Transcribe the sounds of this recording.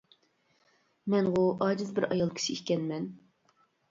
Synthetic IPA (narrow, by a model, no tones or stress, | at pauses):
mɛnʁuʔɑːd͡ʒɪzbɪɾɑjɑlˠkʲʰi̥ʃʰiikʲɛnmɛn